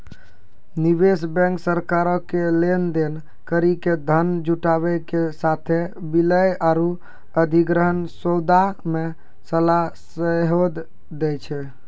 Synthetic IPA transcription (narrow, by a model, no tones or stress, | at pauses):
nibesbɛ̃ŋksəɾkaɾɔkelend̪en | kəɾiked̪ʱənd͡ʒuʈaβɛkesat̪ʰe | biləjaɾu | əd̪ʱiɡɾəɦənsod̪ame | səlasəɦod̪ː | ɛt͡ʃʰɛ